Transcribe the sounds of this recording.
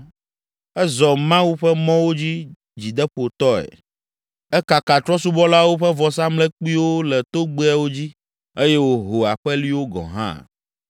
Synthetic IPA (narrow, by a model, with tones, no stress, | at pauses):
ɛ˦zɔ˨mã˦wu˦ɸɛ˦mɔ̃˦wo˦d͡ʑi˦ | d͡ʑi˨d̪ɛ˦ɸo˨t̪ɔ˦ɛ̰˨ | ɛ˦ka˨ka˨t̪ɾɔ˦su˦bɔ˦la˦wo˦ɸɛ˦vɔ˨s̬ã˦mlɛ˦k͡pi˦wo˦lɛ˨t̪o˦ɡ͡be˦ɛ˦wo˦d͡ʑi˦ | e˦jɛ˦wo˦ɦo˨a˨ɸɛ˦li˦wo˦ɡɔ̰̃˨ɦã̰˦